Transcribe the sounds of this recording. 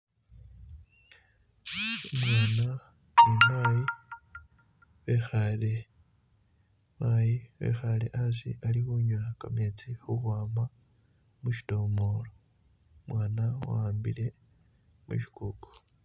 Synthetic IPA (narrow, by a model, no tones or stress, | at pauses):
umwaːna | imaji | βexaɾe | majiβḛxaɾḛʔazḭʔaɾihuɲwakamet͡sihukwaːma | muʃi̥tomoːɾo | mwaːnawa̰ːmbḭɾe̞ | mṵʃi̥kuko̥